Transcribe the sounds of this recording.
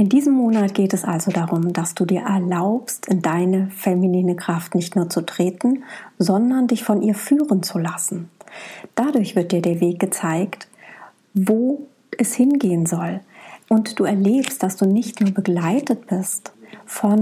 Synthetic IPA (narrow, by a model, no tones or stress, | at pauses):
ʔɪndiːzəmːoːnatɡ̥eːtɛsʔalzodaʁʊmd̥asd̥uːdiːɐʔɛɐlaʊpstʰɪndaɪnəfɛminiːnəkʁ̥aftnɪçtnuːɐt͡sutʁ̥eːtn̩zɔndɐndɪçfɔnʔiːɐfyːʁənt͡sulasn̩d̥adʊɐçv̥ɪɐt̚d̥iːɐdiːɐveːk̚ɡ̥ət͡saɪkt | voː | ʔɛshɪnɡeːənzɔlʔʊntd̥uːɛɐleːpstd̥asd̥uːnɪçtnuːɐbəɡlaɪtət̚b̥ɪstfɔn